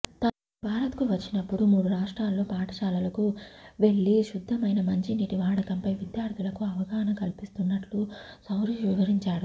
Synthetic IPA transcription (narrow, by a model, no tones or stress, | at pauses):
t̪ɐn | bʱaːɾɐt̪kuʋɐt͡ʃːinɐpːuɽumuːɽuɾaːʂʈɾaːlːoːpaːʈɐ̥ʃaːlɐlɐkuʋe̞ɭːiʃud̪ʱːɐmɐjnɐmɐɲt͡ʃiniːʈiʋaːɽɐkɐmpɐjʋid̪jaːɾd̪ʱulɐkuɐʋɐɡaːnɐkɐlpist̪unːɐʈlusɐwɾiːʃʋiʋɐɾiɲt͡ʃaːɽu